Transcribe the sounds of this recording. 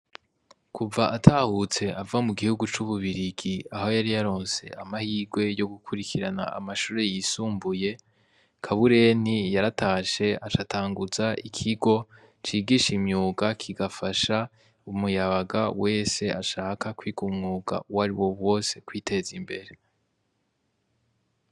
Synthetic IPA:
kʰuvaʔatʰahut͡se̞avamuɡihuɡut͡ʃuβuβiɾiɡiaho̞jaɾijaɾo̞ːnse̞̰ʔamahiːɡwe̞jo̞ɡukʰuɾikʰiɾana̰a̰maʃuːɾe̞jiːsuːmbuje̞ | kʰaβuɾe̞nijaɾataːʃe̞at͡ʃataːŋɡuzaʔikʰiɡo̞ | t͡ʃiːɡiːʃimɲuːɡakʰiɡafaʃa | umujaβaɡawʔe̞ːse̞a̰ʃaːkakwiːɡumŋuːɡa̰waɾiwo̞βwo̞se̞kwiːtʰe̞zimbe̞ɾe̞

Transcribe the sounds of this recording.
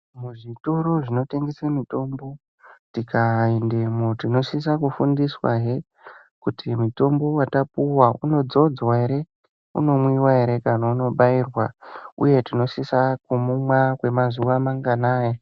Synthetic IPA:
muʐitoɾo̞ʐino̞te̞ŋɡesemito̞mbo̞ | tikʰaindemotino̞sis̬akufundiswa̰ɦe | kutʰimuto̞mbo̞watapuwaṵno̞d͡zo̞d͡zwae̞ɾe | ṵno̞mwiwaeɾe̞kanauno̞ɓairwaṵje̞tino̞sisakumumwakwe̞mazuʋamaŋɡanaːje

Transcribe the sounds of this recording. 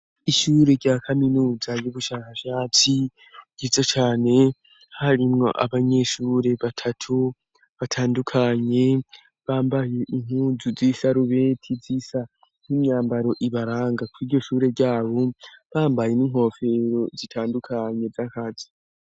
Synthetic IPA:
iʃuːɾe̞ɾɟaːkʰaminuːzajuβuʃaːkaʃaːt͡si̥ | ɟizot͡ʃaːne̞ | haɾimŋo̞̰ʔa̰βaɲe̞ʃuːɾe̞βatʰatʰu | βatʰaːndukʰaɲe̞ | βaːmbaje̞ʔiŋ̥huːzuzisaɾuβetʰizisa | n̥imɲaːmbaɾo̞ʔiβaɾaːŋɡakʰuiːɾɟo̞ʃuːɾe̞ɾɟaːβo̞βaːmbaje̞niːŋ̥ho̞ːfe̞ɾo̞zitʰaːndukʰaɲe̞vakazi̥

